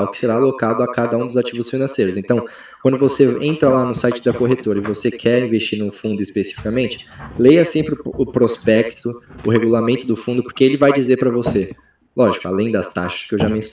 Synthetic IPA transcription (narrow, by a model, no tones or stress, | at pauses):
wkɪ̥seɾaːlokad̪ʊakad̪ɐũd̪ʊzat͡ʃivʊsfinɐ̃sejɾʊzẽnt̪ɐ̃w̃ | kwɐ̃nd̪ʊvoseḛ̃nt̪ɾɐlanʊsajt͡ʃɪd̪ɐkoɦet̪oɾɐɪvosekʰɛɾĩvest͡ʃiɾnʊfũnd̪ʊispesi̥fi̥kamẽnt͡ʃɪ̥lejɐsẽmpɾɪʊːpɾospɛkt̪ʊʊheɡulamẽnt̪ʊd̪ʊfũnd̪ʊpʊɾkeelɪvajd͡ʒizeɾpɾɐvose | lɔʒikʊa̰lẽj̃d̪ɐst̪aʃɐ̥skɪewʒamẽs